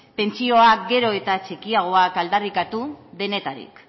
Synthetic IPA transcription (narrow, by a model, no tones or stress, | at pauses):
pe̞nt͡sio̞ak̚ɡe̞ɾo̞e̞t̪at͡ʃekiaɣ̞o̞akald̪arikat̪uðe̞ne̞t̪aɾḭk